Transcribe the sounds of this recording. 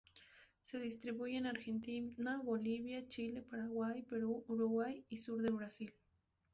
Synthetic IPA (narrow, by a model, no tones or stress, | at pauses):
se̞ðist̪ɾiβujenaɾxent̪inaβoliβjat͡ʃilepaɾaɣwajpeɾuuɾuɣwajisuɾd̪elβɾasil